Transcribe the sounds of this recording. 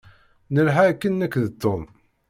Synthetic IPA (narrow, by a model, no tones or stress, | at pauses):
nəlɦakːənːækðət̪ːoð